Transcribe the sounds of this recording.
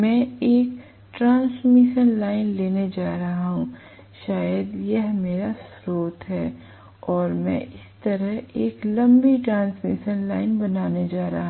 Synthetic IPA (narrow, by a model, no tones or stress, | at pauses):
mɛ̃ːeːk | ʈɾãːnsmɪʃənlaːɪnleːned͡ʒaːɾɐɦaɦũ | ʃaːjəd̪jɛɦmeːɾasɾoːt̪ɦɛː | ɔːɾmɛ̰̃ɪst̪ɐɾəɦeːklɐ̃mbiʈɾãːnsmɪ̰ʃənlaːɪnbɐnaːned͡ʒaːɾɐɦa